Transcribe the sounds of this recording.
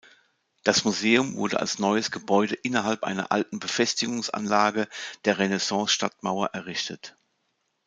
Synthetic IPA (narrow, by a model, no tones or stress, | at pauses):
d̥asmuzeːʊmvʊ̰ɐdə̰ʔa̰lsnɔʏəsɡ̥əbɔʏdəʔɪnɐɦalpʔa̰ɪnɐ̰ʔa̰ltn̩bəfɛstɪɡʊŋsʔa̰nlaːɡəd̥eːɐʁenɛsɑ̃ːsʃtatma̰ʊɐʔɛɐʁɪʃtət